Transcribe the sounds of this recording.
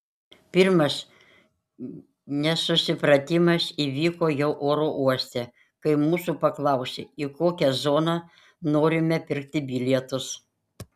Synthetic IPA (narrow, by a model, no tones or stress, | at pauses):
pʲɪɾmɐs | nʲɛsʊsʲɪpɾɐt̪ʲɪmɐsiːʋʲiːkoːjɛʊʔoːɾoːʔuɔsʲt̪ʲe | kɐɪmuːsuːpɐklˠɐˑʊsʲeːikoːkʲɛzoːnɑ | noːɾʲɪmʲɛpʲɪɾʲk̚t̪ʲɪbʲɪlʲɛt̪ʊs